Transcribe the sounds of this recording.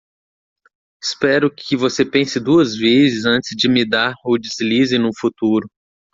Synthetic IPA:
ɪ̥spɛɾʊkʰɪvosepẽsɪd̪uɐzvezɪzɐ̃nt͡ʃɪzd͡ʒɪmid̪aɾowd͡ʒɪzlizɪnʊfut̪uɾʊ

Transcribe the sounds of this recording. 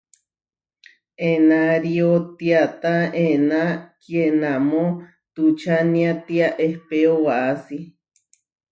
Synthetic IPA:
enaɾiot̪iat̪aenãkjenamo | t̪ut͡ʃanĩat̪iaʔehpeowaʔasi

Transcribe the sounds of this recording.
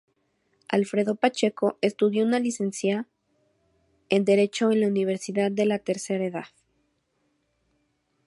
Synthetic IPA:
a̰lfɾe̞ðo̞pat͡ʃe̞ko̞ʔe̞st̪uðjo̞unalise̞nsja | end̪e̞ɾe̞t͡ʃo̞enlauniβ̞e̞ɾsiðaðːe̞lat̪e̞ɾse̞ɾaeðað

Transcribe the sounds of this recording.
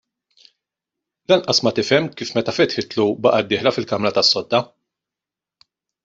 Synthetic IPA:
lɐnʔɐsmɐt̪ɪfɛmːkiːfmɛt̪ɐfɛt̪ħɪt̪lubɐʔɐd̪ːɪːħlɐfɪlkɐmɾɐt̪ɐsːɔd̪ːɐ

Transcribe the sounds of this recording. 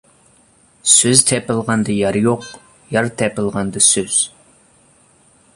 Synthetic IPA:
søzt̪ʰɛpɨlˠʁɑnd̪ɨjɑɾjoq | jɑɾt̪ʰɛpɨlˠʁɑnd̪ɨsøz̥

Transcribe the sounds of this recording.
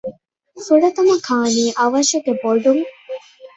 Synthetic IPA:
fuɖɐt̪ɐmɐkʰaːniːʔɐʋɐʃuɡeboɖuŋ

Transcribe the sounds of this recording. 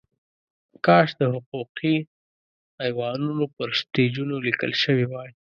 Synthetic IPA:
kɑʃd̪əhʊquqʰi | ajwɑnunopəɾst̪ed͡ʒunolikə̰lʃəwiwɑj

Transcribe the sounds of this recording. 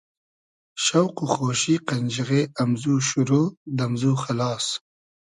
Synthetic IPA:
ʃawquxoːʃiqɐnd͡ʒiɣeamzuʃuɾoːd̪ɐmzuːxalɑːs

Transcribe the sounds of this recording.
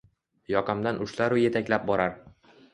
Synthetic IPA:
jɒqɑmd̪anʊʃlaɾʊje̞t̪ʰakʲlap̚bɒɾaɾ

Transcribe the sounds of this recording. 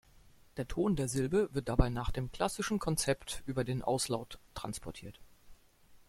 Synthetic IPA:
d̥eːɐtʰoːndeːɐzɪlbəvɪɐt̚d̥abaɪnaːχd̥eːmkl̥asɪʃn̩kʰɔnt͡sɛptʔyːbɐdeːnʔa̰ʊslaʊtːʁ̥a̰nspʰɔɐtʰiːɐt

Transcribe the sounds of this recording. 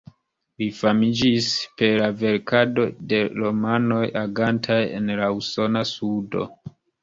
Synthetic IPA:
lifamid͡ʒispe̞lave̞ɾkado̞de̞ɾo̞mano̞jaɡantʰaje̞̰nlauso̞nasudo̞̰

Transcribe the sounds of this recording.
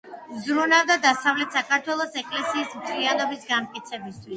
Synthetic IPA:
zɾunavd̪ad̪asavlɛt̪sakʰaɾt̪ʰwɛlˠɔsɛkʼlɛsiːsmt̪ʰlianɔbisɡamt̪̚kʼit̪sʰɛbist̪ʰwis

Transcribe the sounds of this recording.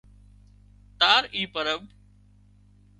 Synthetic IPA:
t̪aːɾiːpəɾəb

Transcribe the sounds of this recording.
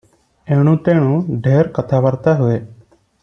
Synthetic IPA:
eːɽ̃ũːt̪eːɽ̃ũːɖʱeːɾkət̪ʰaːʋəɾt̪aːɦʊeː

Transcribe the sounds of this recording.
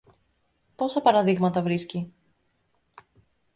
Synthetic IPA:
po̞sɐpɐɾɐðiɣmɐt̪ɐvɾisci

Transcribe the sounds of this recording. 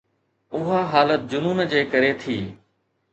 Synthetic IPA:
ʊɦaɦaːlət̪̚d͡ʑʊnuːnd͡ʑeːkɐɾet̪ʰiː

